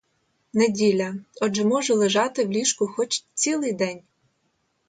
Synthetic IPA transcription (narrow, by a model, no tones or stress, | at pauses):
nedʲilʲɐɔd͡ʒɛmɔʒʊlˠeʒɑt̪ɪwlʲiʃkʊxɔt͡ʃt͡sʲilˠɪjd̪ɛnʲ